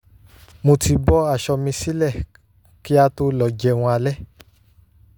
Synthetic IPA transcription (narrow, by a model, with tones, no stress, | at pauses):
mo˧ti˧bɔ˦a˦˨ʃɔ˧mĩ˧si˦lɛ˦˨ | ki˦a˧to˧lɔ˨d͡ʒɛ˧˨w̃ɔ̃˧a˧lɛ˦